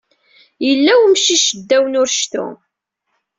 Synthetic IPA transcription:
jəlːæwmʃiʃəd̪ːæwənʊɾʃθṵ

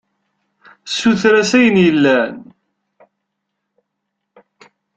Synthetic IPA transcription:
sːuθɾæsæjənjəlːæn

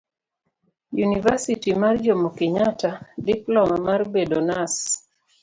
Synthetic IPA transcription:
junivasitimard͡ʒomokɪɲatadiplɔmamarbedonas

